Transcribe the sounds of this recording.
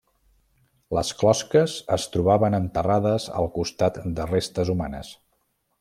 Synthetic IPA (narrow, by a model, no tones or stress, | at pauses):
ləsklɔskəzəst̪ɾuβaβənənt̪əraðəzə̰lˠkust̪at̪d̪ərest̪əzumanə̰s